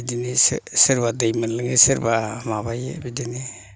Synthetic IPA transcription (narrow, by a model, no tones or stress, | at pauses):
bidinissɯɾbadajmanlɯŋesɯɾbamabajḛbidini